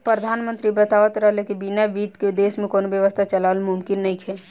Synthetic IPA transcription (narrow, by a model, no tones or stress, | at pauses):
pɾəd̪ʱaːnmə̃nt̪ɾibət̪aʋət̪ɾəɦlekibinaʋiːt̪ked̪eːsmẽkoːnobjəʋəst̪ʰat͡ʃəlaːlmʊmkɪnːɐĩkʰɛː